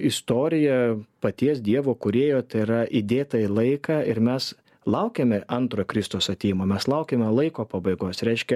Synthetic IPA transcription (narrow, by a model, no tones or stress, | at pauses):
ɪst̪oːɾʲɪjɛpɐt̪ʲiɛs̬d̪ʲiɛʋoːkʊɾʲeːjoːt̪ɐɪɾɐʔid̪ʲeːt̪ɑɪlˠɐɪkɑːɪɾmʲɛs | lˠɐʊkʲeːmʲɛɐnt̪ɾoːjkɾʲɪst̪oːsɐt̪ʲeːjmoːmʲɛslˠɐʊkʲeːmʲɛlˠɐɪkoːpɑbɐɪɡoːsɾʲɛɪʃʲkʲɛ